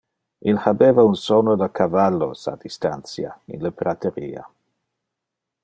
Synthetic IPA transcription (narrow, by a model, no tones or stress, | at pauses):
ʔilhabevaunsonodakʰavalːo̰sa̰d̪istansja̰ḭnləpɾat̪ʰeɾiːa̰